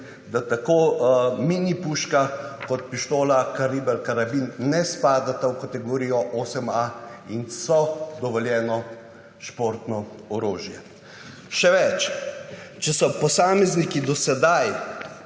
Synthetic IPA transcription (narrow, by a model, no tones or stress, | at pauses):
d̪at̪akoːminipuːʃkakɔt̪̚piʃt̪oːlakaɾiːbɛlkaɾabinːɛspaːd̪at̪awkat̪ɛɡoɾijɔʔoːsɛmainsɔd̪ɔʋɔljɛːnɔ | ʃpoːɾt̪nɔ | ɔɾoːʒjɛ | ʃɛʋɛt͡ʃ | t͡ʃɛsɔpɔsaːmɛznikid̪ɔsɛd̪aj